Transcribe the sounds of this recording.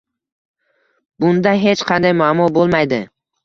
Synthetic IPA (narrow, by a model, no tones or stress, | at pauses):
b̥ʊnd̪aɦe̞t͡ʃqʰɑnd̪ajmamɒbolˠmajd̪ɪ